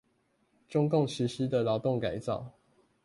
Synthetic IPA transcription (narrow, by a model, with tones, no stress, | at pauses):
ʈ͡ʂʊ˦ŋkʊ˥˨ŋɕy˨˥ʂi˦d̪ə˨lɑ˨˦ʊt̪o˥˨ŋka˨˦ɪt͡sɑ̰˥˨ʊ